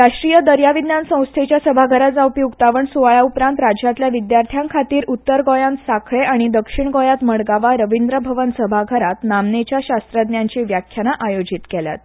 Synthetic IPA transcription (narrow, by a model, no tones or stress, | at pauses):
ɾaʂʈɾijəd̪əɾjaʋid̪njansə̃w̃st̪ʰet͡ɕjasəbʱaɡʱəɾad͡zaupjuɡt̪aʋəɳsuʋaɭaupɾãnt̪ɾad͡ʑjat̪ljaʋid̪jaɾt̪ʰjãŋkʰat̪iːɾut̪ːəɾɡɔjãnsakʰɭeʔaɽ̃id̪əkʂiɳɡɔjat̪məɽɡaʋaɾəʋind̪ɾəbʱəʋənsəbʱaɡʱəɾat̪namnet͡ɕjaɕast̪ɾəd̪njaɲt͡ɕiʋjakʰjanaʔajod͡ʑit̪kelja̰t̪